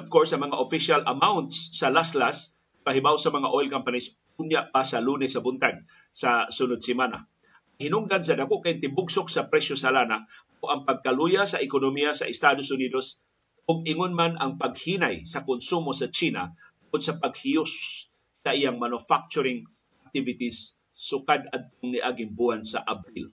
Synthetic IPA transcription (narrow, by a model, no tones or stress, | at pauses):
ɔv̥koɹsɐŋmɐŋaʔofɪʃalʔɐmawnt̪sːɐlaslas | paɦɪbawsɐmɐŋaʔojlkampanis | ʊnjaʔpasaluːnɛsɐbʊnt̪aɡ̚ | sasʊnʊd̪̚sɪmana̰ | hɪnʊŋɡans̬ɐd̪akoʔkaʔɪnt̪ɪbʊɡsʊk̚sɐpɾɛʃosalanakoʔɐŋpaɡ̚kalujasaʔɪkonomijasa̰ʔɪst̪ad̪osʊnid̪os | ʔʊɡ̚ɪŋonmanaŋpaɡ̚hiːnajsakʊnsumosat͡ʃiːna̰ | t̪ʊŋʊd̪̚sɐpaɡ̚hijʊsː | ɐʔijaŋmanʊfak̚t͡ʃʊɾɪŋ | ʔak̚t̪ɪvɪt̪isː | ʊkad̪ad̪̚t̪oŋnɪʔaɡɪŋbuhansaʔabɾil